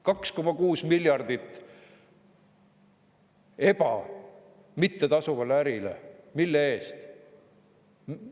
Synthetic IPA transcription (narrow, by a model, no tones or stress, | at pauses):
kɑksko̞mɑkuːsmilʲjɑrd̪̥it̪ːˑ | e̞b̥ɑ | mit̪ːet̪ɑsuvɑlːæɾilḛmilːee̞ːst̪